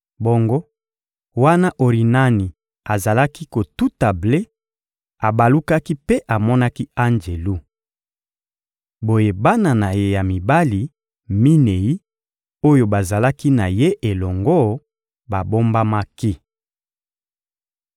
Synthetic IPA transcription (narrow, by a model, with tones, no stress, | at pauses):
bo˦ŋɡo˦ | wa˦na˦ʔo˨ʁi˨na˦ni˨ | a˨za˨la˦ki˦ko˨tu˦ta˨ble˦ | a˨ba˨lu˦ka˦ki˦pe˦ʔa˨mɔ˦na˦ki˦a˦nd͡ʒe˨lu˦ | bo˨je˨ba˦na˨na˨je˦ja˨mi˨ba˦li˨ | mi˦ne˨ji˦ | o˦jo˦ba˨za˨la˦ki˦na˨je˦ʔe˨lɔ˨ŋɡɔ˦ | ba˨bo˦mba˦ma˦ki˦